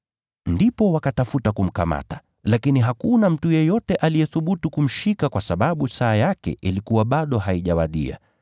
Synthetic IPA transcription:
ndipɔwakatafutakum̩ka̰ma̰tḁ | lakiniɦakunam̩tujɛjɔtɛʔalijɛθuɓutukum̩ʃikakwasaɓaɓusaːjakɛ̰ʔilikuwaɓaɗɔɦaiʄawaɗḭa̰

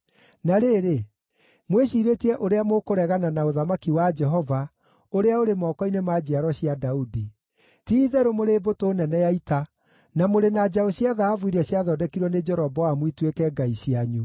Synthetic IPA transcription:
naɾeɾe | mweɕiɾetiɛʔoɾeamokoɾɛɣananaoðamakiwad͡ʒɛɦɔva | oɾeaoɾemɔːkɔinemad͡ʑaɾɔɕjadaudi | tiðɛɾomoɾebotonɛnɛjaita | namoɾenad͡ʑaɔɕjaðaavuiɾɛɕjaðɔdɛkiɾwɔned͡ʒɛɾɔbɔwamwitwekɛɡaiɕijaɲu

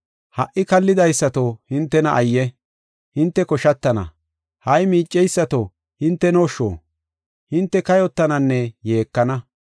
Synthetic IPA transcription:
hɐʔːɪkɐlːɪd̪ɐjsːɐt̪ohɪnt̪ːɛnɐʔɐjːɛ | hɪnt̪ːɛkɔʃɐt̪ːɐnɐ̰ | hɐjmiːt͡ʃʼːɛjsːɐt̪o | hɪnt̪ːɛnoʃːo̰ː | hɪnt̪ːɛkɐjɔt̪ːɐnɐnːɛje̞ːkːɐnɐ

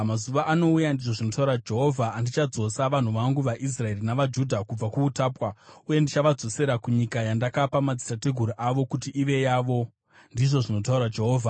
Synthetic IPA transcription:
mazuʋaʔano̞ujandiʐo̞ʐino̞taurad͡ʒe̞ɦo̞vʱaːndit͡ʃad͡zo̞saʋan̤uʋaŋɡuʋaʔis̬rae̞rinaʋad͡ʒudʱakub͡vakuutaːpwauje̞ndit͡ʃaʋad͡zo̞se̞ɾakuɲikajandakapamad͡zitate̞ɡʱuɾiʔaʋo̞kutiʔiʋe̞jaʋo̞ | ndiʐo̞ʐino̞t̬auɾad͡ʒe̞ɦoːvʱa

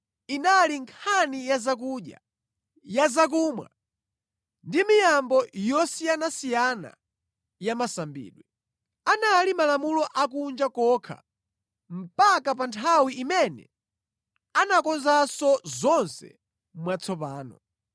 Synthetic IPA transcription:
inaliŋkʰanijazak̬uːɗja̰ | jazak̬umwa̰ | ndimijambɔjɔsijanasijana̰ | jamasambḭːɗwɛ | analimalamulɔʔak̬und͡ʒakɔkʰa̰ | m̩pakapantʰawiʔimɛnɛ̰ | anakɔnzasɔzɔnsɛ̰ | mwat͡sʰɔpaːnɔ̰

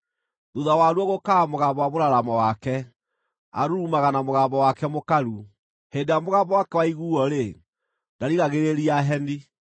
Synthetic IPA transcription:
ðuðawaɾwɔɣokamoɣaːmbɔwamoɾaɾamɔwakɛ | a̰ɾuumaɣanamoɣaːbɔwakɛmokaɾu | heːndejamoɣaːmbɔwakɛwaiɣuːɔɾe | nd̥aɾiɣaɣeɾeɾiaɦɛni

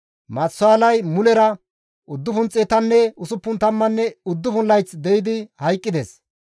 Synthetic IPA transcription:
mɐt͡sːʊaːlɐjmʊlɛɾɐ | ʔʊd̪ːʊfʊnt͡sʼeːt̪ɐnːɛʊsʊpːʊnt̪ɐmːɐnːɛʊd̪ːʊfʊnlːɐjt͡sd̪ɛjɪd̪ɪhɐjkʼːɪd̪ɛs

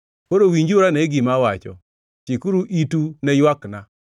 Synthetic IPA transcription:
poɾowiɲd͡ʒuɾanɛɡɪmawat͡ʃɔ̰ | tikuɾuʔitunɛjwakna

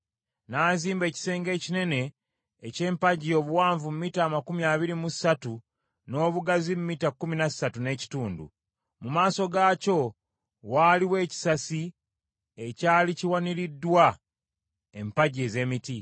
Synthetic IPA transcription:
naːziːmbe̞ːci̥se̞ːŋɡe̞ːcine̞ne̞ː | ce̞ːmpaɟio̞ːβuwaːɱvumumiːtaːmakumiaːβiɾimusatu | no̞ːβuɡazimumiːtakːuminasatune̞ːci̥tuːndṵ | mumaːso̞ɡaːco̞ | waːliwe̞ːci̥sasi | ecaːliciwaniɾidːwa | empaɟe̞ːze̞miti

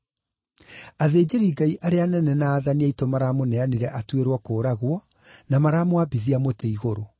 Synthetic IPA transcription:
aðeːd͡ʑeɾiːɡaiʔaɾeanɛnɛnaːðaniaitomaɾaːmonɛaneɾɛʔatweɾwɔkoːɾaɣwɔ | namaɾaːmoabiðiamoteiɣoɾo

